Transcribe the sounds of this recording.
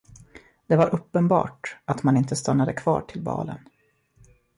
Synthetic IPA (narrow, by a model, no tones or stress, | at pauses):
d̪ɛvaɾʔɵpːənbɑ̰ːʈat̪manɪnt̪əst̪anːad̪əkʰvɑ̰ːʈʰɪlbɑ̰ːlə̰n